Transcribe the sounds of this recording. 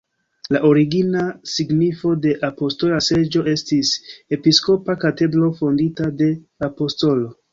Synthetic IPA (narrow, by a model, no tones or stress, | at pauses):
laʔo̞ɾiɡinasiɡnifo̞de̞ʔapo̞sto̞lase̞d͡ʒo̞ʔe̞stise̞pisko̞pakate̞dɾo̞fo̞nditade̞ | apo̞sto̞lo̞